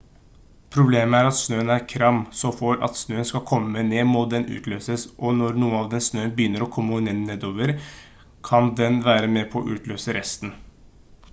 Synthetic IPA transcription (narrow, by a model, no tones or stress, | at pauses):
pʰɾʊbleːməæɾɑt̪snøːənæɾkʰɾɑmsɔfɔɾɑ̰t̪snøːənskɑkʰɔmːəmɛneːmʊt̪̚d̪ɛnʔʉ̰ːt̪løːsəsʔɔnɔɾnuːənɑʋd̪ɛnsnøːənbəjʏnːəɾɔkʰɔmːəneneːd̪oːʋəɾ | kʰɑnd̪ɛnʋæːɾəmɛpʰɔɔʔʉ̰ːt̪løːsəɾʔɛst̪n